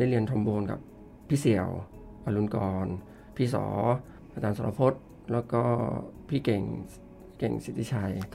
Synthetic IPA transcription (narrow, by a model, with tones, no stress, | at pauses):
da˥˩jli˧ənt̪ʰo˧mboː˧nkʰa̰˨˩pʰː | iː˥si˨˩əw | ʔaː˧lu˧nkɔː˧n | pʰiː˥˩sɔ̰ː˩˦ | ʔa˧t͡ɕaː˧nsa˨˧la˧pʰo˦˥t̪̚ | lɛː˦˥wkɔː˥˩pʰiː˥˩ke˨˩ŋ | kḛ˨˩ŋsi˨˩t̪ʰi˦˥˩t͡ɕʰa˧j